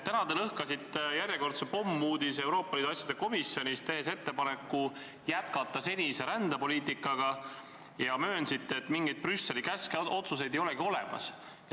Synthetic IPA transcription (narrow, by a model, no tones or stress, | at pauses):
t̪ːænɑd̪elɤhkɑsit̪ˑːjæɾʲjeko̞rt̪sepo̞mːuːd̪ise̞wɾo̞ːpːˑɑliːd̪uɑsʲjɑd̪e̞ko̞misːjo̞nʲist̪e̞ɦe̞se̞t̪ːe̞pɑne̞kːu | jæt̪kɑt̪ːˑɑse̞nʲise̞ɾænd̪ɑpo̞lʲiːt̪ˑikːˑɑɡ̥ɑ | jɑmøːnsit̪ːet̪ːˑmiŋɡ̥ejd̪̥̚prysːe̞likæsko̞t̪sus̬e̞jd̪ejo̞lɛɡio̞lɛ̰mɑ̰s